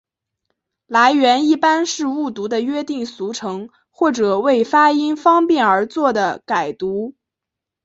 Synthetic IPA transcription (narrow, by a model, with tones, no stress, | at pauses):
la˧˥ɪɥɛ˧˥ni˥˩pa˥nʂɻ̩˥˧u˥˩t̪u˧˥d̪ə˧ɥɛ˥t̪i˥˩ŋsu˧˥ʈ͡ʂʰɤ˧˥ŋ | xwɔ˥˩ʈ͡ʂɤ˨˩we˥˩ɪfa˥i˥nfɑ˥ŋpjɛ˥˩nə˞˧˥t͡swɔ˥˩d̪ə˩ka˨˩ɪt̪u˧˥